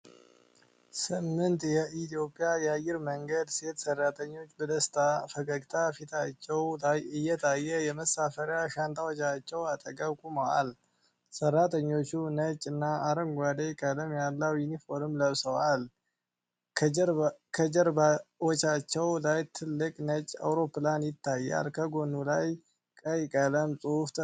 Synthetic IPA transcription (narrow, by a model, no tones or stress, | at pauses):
sɨmːɨnt̪ʼjɛʔit̪ʰijo̞pʼjajɛajɪɾməŋɡəd̪se̞t̪sərːat̪ʰʼəɲːo̞t͡ʃːbəd̪əst̪ʰafəkʼəɡt̪ʰafit̪ʰat͡ʃːɛwlajɨjːɛt̪ʰajːɛjɛməsafəɾjaʃant̪ʰʼawot͡ʃːat͡ʃːɛwat̪ʼəɡʼəβkʼuməwa̰l | sərːat̪ʰʼəɲːo̞t͡ʃːunət͡ʃʼɨnːaaɾəŋɡʷad̪ekʼələmjalːəwjunifo̞ɾɨmləβsəwal | kʰəd͡ʒəɾbawɔt͡ʃːat͡ʃːɛwlajt̪ʰɨlːɨkʼnət͡ʃʼːa̰wɾo̞planjɪt̪ʰːajːa̰lkʰəɡo̞nːulaj | kʼəjkʼələmsʼuft̪ʼ